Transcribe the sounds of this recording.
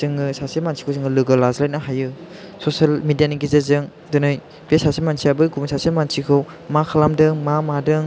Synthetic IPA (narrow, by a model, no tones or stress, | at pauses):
zɯŋɡɯsasemansʰi̥kʰɯwzɯŋɯlɯɡɯlazlajt̚nɐɦajɯsosɐlmidijaniɡizezɯŋ | dunɯj | b̥esasemansʰijabɯɡumsasemansʰikʰɯw | makʰalamdɯŋmamadɯŋ